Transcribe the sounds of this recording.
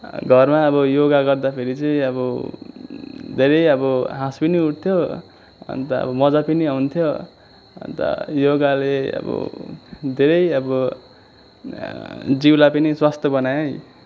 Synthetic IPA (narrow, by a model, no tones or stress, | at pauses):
ɡʱʌrmaʌbʌjoɡaɡʌrd̪apʰeɾit͡sʌĩʌbʌ | d̪ʱeɾʌjʌbʌɦãspiniuʈ̚t̪ʰjo | ʌ̰nt̪ʌʌ̰bʌmʌd͡zapiniaunt̪ʰjo | ʌ̰nt̪ʌ̰joɡaleʌ̰bʌ̰d̪ʱeɾʌjʌbʌ | d͡ziwlapʌniswast̪ʰʌbʌnajʌ̃j